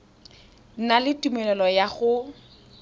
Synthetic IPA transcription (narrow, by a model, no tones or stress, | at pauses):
n̩nalɪtʼumɛlɛlɔjaɣʊ